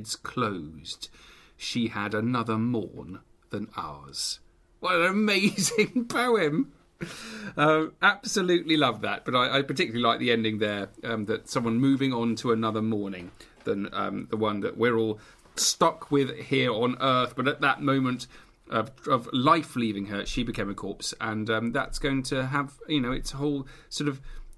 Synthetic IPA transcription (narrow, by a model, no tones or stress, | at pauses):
dz̥kʰl̥oʊz̥d̥ | ʃiɨɾɨnʌðə˞mɔ̰ɹn | ðɨ̃na̰ʊəz̥ | wʌɾɨnɨmeɪzɪ̃ŋbaʊɪ̃m | ʌæb̥səlʉʔˡlilʌvðə̰t̚b̥ʌɾaɪʔaɪpʰə˞tɪkjl̩ˠilaɪk̚ðiɛ̃ndɪ̃ŋðə˞ʌ̃mðɨtsʌ̃mwʌ̃nmʉvɪ̃ŋə̃ntʰəənʌðə˞mɔɹnɪ̰̃ŋ | ðə̃nʌ̰̃mðəwʌ̃nðə̰ʔwɪɹɔːlˠ | stʌkʰwɪð̥hiɹə̃nɜˑ˞θb̥ʌɾɨt̪̚ðə̰ʔ̚mõʊ̃mə̃nt | ʔʌʌvlaɪflivɪ̃ŋə˞ʃibɨkʰẽɪ̃məkʰɔɹpsə̃nʌ̃mðæ̰tsɡ̥oʊɪ̃ŋtʰɨːv̥jɨnoʊɨtsəɦoʊlˠ | sɔɹɾʌv̥